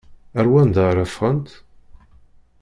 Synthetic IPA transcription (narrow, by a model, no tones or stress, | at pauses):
æɾwænd̪əɾˤæfʁənt̪